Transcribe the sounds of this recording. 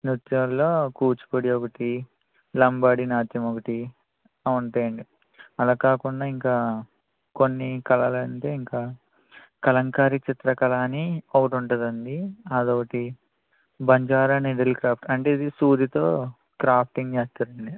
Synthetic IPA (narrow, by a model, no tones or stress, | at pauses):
nut̪jɐlːoːkuːt͡ʃu̥poɽiokɐʈi | lɐmbaːɽinaːt̪jɐmokɐʈi | ɐuɳʈaːjɐɳɖi | ɐlaːkaːkuɳɖaːiŋkaː | konːikɐlaːlɐɐɳʈ̪eiŋkaː | kɐlɐŋkaːɾit͡ʃit̪ɾɐkɐlaːniokɐʈuɳʈɐd̪ɐnd̪iaːd̪oːkɐʈi | bɐɲd͡ʒaːɾaːneɖelkɾaːp̚ʰʈɐɳʈe̞ːid̪isuːd̪it̪o̞ː | kɾaːpʰʈiŋɡt͡ʃeːst̪aːɾɐɳɖi